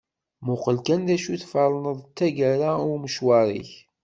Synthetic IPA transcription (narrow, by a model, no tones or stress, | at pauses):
mʊqəlkænðæʃuθfəɾˤənəðˤt͡s̪ːæʝæɾaʊɾməʃwɑɾˤḭç